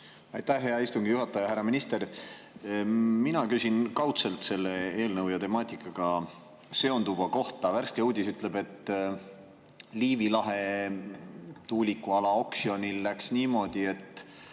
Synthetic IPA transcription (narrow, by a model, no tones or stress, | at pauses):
ɑjt̪æhɦeɑist̪uŋɡ̥ijuɦɑt̪ːˑɑjɑɦæɾːɑminist̪e̞ɾ | minɑkysʲinkɑwt̪se̞lt̪se̞lːe̞e̞ːlnɤwjɑt̪e̞mɑːt̪ʲˑikːˑɑɡ̥ɑ | se̞o̞nd̪uvɑko̞ht̪ɑværskeuːd̪̥ʲisyt̪ˑle̞be̞t̪ːˑ | liːvilɑɦe̞ | t̪uːlʲikːuɑlɑo̞ksio̞nʲilːæksniːmo̞d̪̥ie̞t̪ːˑ